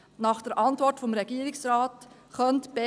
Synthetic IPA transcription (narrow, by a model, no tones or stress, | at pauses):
nɑːχd̥ɛɾʔɑntvɔɾtfɔmɾɛɡiːɾɪksɾɑːt | χœntb̥ɛ